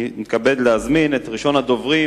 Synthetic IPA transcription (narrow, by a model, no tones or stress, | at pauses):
mit̪kabe̞d̪lehazminet̪ʁiʃo̞nhad̪o̞vʁi